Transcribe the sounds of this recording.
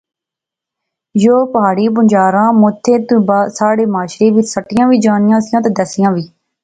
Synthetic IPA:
joːpɦaːɽiːp̬ʊɲd͡ʒaːɾãːmʊt̪ʰːeːt̪ũːbaːsaːɽeːmaːʃɾeːʋɪt͡ʃsəʈːɪjãːʋiːd͡ʒaːnɪjãːsɪjãːt̪ãːd̪əsɪjãːʋiː

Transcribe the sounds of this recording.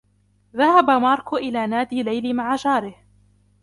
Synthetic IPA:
ðahabamɑːɾˤkʊʔɪlaːnaːd̪iːlajlimaʕad͡ʒɑːɾɪh

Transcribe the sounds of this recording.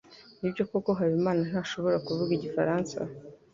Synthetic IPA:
nibɟo̞koko̞ɦaβimaːnan̥haːʃo̞βo̞ɾakuvuɡiɟifaɾaːnsa̰

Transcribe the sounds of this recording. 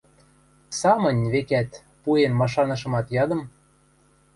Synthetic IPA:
sɑmɤ̆nʲβekæt̪ | puenmɑʃ̬ɑnɤ̆ʃ̬ɤ̆mɑt̪jɑd̪ɤ̆m

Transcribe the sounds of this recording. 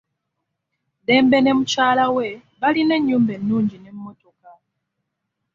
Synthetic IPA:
dɛmbenemut͡ʃaːlaweβalineɲumbɛnuːɲd͡ʒinem̩motokaw

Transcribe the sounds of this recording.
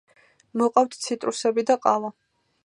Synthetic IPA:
mɔqʼaft̪ʰt̪sʰit̪ʼɾusɛbid̪aqʼala

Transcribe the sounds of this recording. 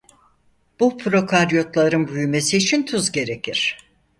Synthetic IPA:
b̥upʰɾo̞kʰaɾjo̞t̪lˠaɾɯnbujyme̞siːt͡ʃʰint̪ʰuzɟe̞ɾe̞cʰiɾ̥

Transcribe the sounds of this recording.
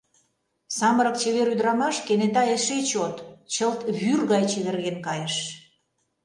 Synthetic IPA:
sɑməɾə̆kt͡ɕeβeɾyd̪ɾɑmɑʃkenet̪ɑeʃet͡ɕot̪t͡ɕəlt̪βyrɣɑjt͡ɕeβerɣenkɑjeʃ

